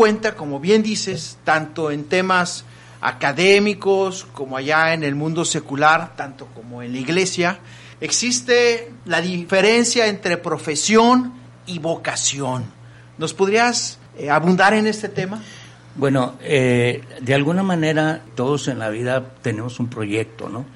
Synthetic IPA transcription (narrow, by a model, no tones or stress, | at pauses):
we̞nt̪ako̞mo̞βje̞nd̪ise̞st̪ant̪o̞e̞nt̪e̞mas | a̰kaðe̞miko̞sko̞moaʝaene̞lmũnd̪o̞se̞kulaɾt̪ant̪o̞ko̞mo̞enlaiɣle̞sja | eksist̪e̞laðife̞ɾe̞nsjaent̪ɾe̞pɾo̞fe̞sjo̞n | iβo̞kasjo̞nː | o̞spo̞ðɾias | aβund̪aɾe̞ne̞st̪e̞t̪e̞ma | bwenoed̪ealɣunamãne̞ɾat̪o̞ðose̞nla̰βiðat̪e̞ne̞mo̞sumpɾo̞ʝe̞k̚t̪o̞̰no